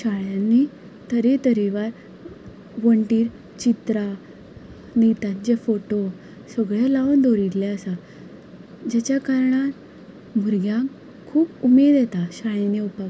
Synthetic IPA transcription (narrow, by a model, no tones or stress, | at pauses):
ɕaɭjãnːi | t̪əɾet̪əɾiʋaɾ | ʋəɳʈiːɾ | t͡ɕit̪ɾa | nit̪ãt͡ɕefoʈo | səɡɭalawnd̪oɾit̪laəsa | d͡ʑat͡ɕakaɾɳat̪ | mʱuɾɡjãŋk | kʰuːpumed̪jɛt̪aɕaɭaneupa